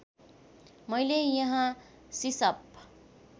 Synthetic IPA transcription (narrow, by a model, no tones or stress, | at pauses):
mʌjlejʌɦã | sisʌp